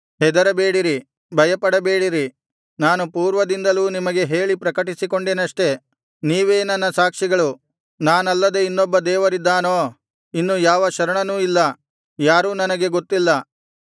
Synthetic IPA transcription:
ɦɛd̪ɐɾɐbe̞ːɽiɾi | bʱɐjɐpɐɽɐbeːɽiɾi | naːnupuːɾʋɐd̪ind̪ɐluːnimɐɡe̞ɦe̞ːɭipɾɐkɐʈisiko̞ɳɖeːnɐʂʈe̞ | niːʋe̞ːnɐnːɐsaːkʂiɡɐɭu | naːnɐlːɐd̪e̞inːɔbːɐd̪ɛːʋɐɾid̪ːaːnoː | inːuːjaːʋɐʃɐɾɐɳɐnuːilːɐ | jaːɾuːnɐnɐɡe̞ɡo̞t̪ːilːɐ

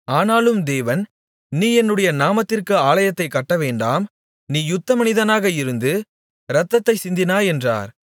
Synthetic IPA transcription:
aːnaːlɯmd̪eːʋɐn | niːɛnːɯɽɐjɐnaːmɐt̪ːɪrkɯaːɭɐjɐt̪ːɐɪkːɐʈːɐʋeːɳɖaːm | niːjʊt̪ːɐmɐnɪðɐnaːɣɐɪɾɯnd̪ɯ | ɾɐt̪ːɐt̪ːɐɪsɪnd̪ɪnaːɛndra̰ːɾ

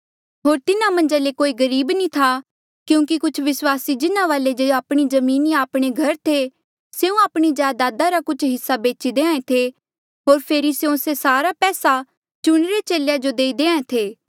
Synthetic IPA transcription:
ɦoːɾt̪ɪnãmɐ̃ɲd͡ʒãlekoːiɡɐɾiːbnĩt̪ʰa | kjũːkikʊt͡ʃʰʋɪswaːsid͡ʒɪnãʋaːled͡ʒoaːpɽ̃izɐmiːniaːpɽ̃eɡʱɐɾt̪ʰe | seũaːpɽ̃izjaːd̪aːd̪aɾakʊt͡ʃʰɦɪsːabeːt͡ʃid̪eːãːẽt̪ʰe | ɦoːɾpʰeːɾiseõsesaːɾapɛːsa | t͡ʃʊɽ̃ɾet͡ʃeːlejad͡ʒod̪eːid̪eːãːẽt̪ʰeː

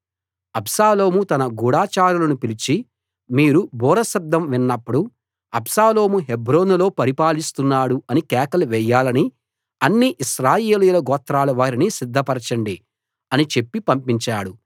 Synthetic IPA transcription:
ɐbsaːlo̞ːmut̪ɐnɐɡuːɽaːt͡ʃaːɾulɐnupilit͡ʃi | miːɾubʱɔːɾɐsɐb̚d̪ʱːɐmʋinːɐpːuɽu | ɐbsaːlo̞ːmuɦe̞bɾo̞ːnulo̞ːpɐɾipaːlist̪unːaːɽuɐnikɛːkɐluʋɛjːaːlɐni | ɐnːiʔiʃɾaːjeeːlujulɐɡɔːt̪ɾaːluʋaːɾinisid̪ʱːɐpɐɾɐt͡ʃɐɳɖi | ɐnit͡ʃe̞pːipɐmpiɲt͡ʃaːɽu

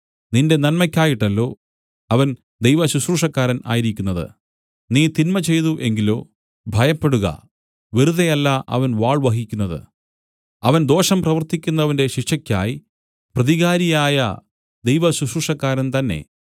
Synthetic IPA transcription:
ninde̞nɐnmɐkʲːaːjiʈːɐlːo̞ː | ɐʋɐn | d̪ejʋɐɕuɕruʂɐkːaːɾɐnʔa̰ːjiɾikʲːunːɐðɨ̰ | niːt̪inmɐt͡ɕe̞jðuʔe̞ŋɡilo̰ː | bʱɐjɐpːe̞ɽuɣɐ̰ | ʋiɾuðɐjɐlːaʔɐ̰ʋɐnʋaːɭʋɐɦikʲːunːɐðɨ̰ | ɐʋɐnd̪o̞ːʂɐmprɐʋɐrt̪ikʲːun̪ːɐʋɐnde̞ɕikʂɐkʲːa̰ːji | prɐðiɣaːɾijaːjɐ̰ | d̪e̞jʋɐɕuɕruʂɐkːaːɾɐnt̪ɐnːe̞̰

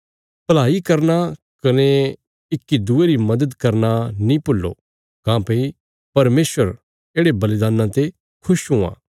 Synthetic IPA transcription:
pɐlaːikɐɾna | kɐne | ɪkːid̪ueɾimɐd̪əd̪kɐɾnanĩpʊlːo̰ | kãːpei | pɐɾmeːsʋəɾ | eːɽebɐlid̪aːnːãt̪e | kʰʊʃɦũã̰ː

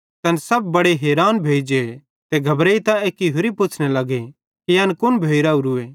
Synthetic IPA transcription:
t̪ɐnsɐbːɐɽeɦeːɾaːnbʱeːd͡ʒe | t̪eɡʱɐbɾeːit̪aeːkiɦʊɾipʊt͡ʃʰnelɐɡe | kijɐːnkʊnbʱeːɪɾauɾueː

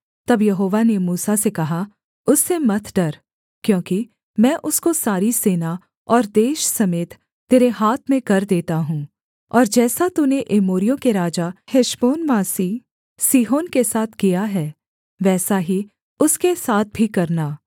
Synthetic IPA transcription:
t̪ɐbjɐɦoːʋanemuːsasekɐɦa | ʊsːemɐt̪ʰɖɐɾ | kjõːki | mɛ̃ːʔʊskosaːɾiseːna | ɔːɾd̪eːʃsɐmeːt̪ː | eːɾeɦaːt̪ʰmẽkɐɾd̪eːt̪aɦũː | ɔːɾd͡ʒɛːsat̪uneʔeːmoːɾijõkeɾaːd͡ʒahɪʃboːnʋaːsi | siːɦoːnkesaːt̪ʰkijaɦɛː | ʋɛːsaɦi | ʊskesaːt̪̚ʰbʱikɐɾnaː

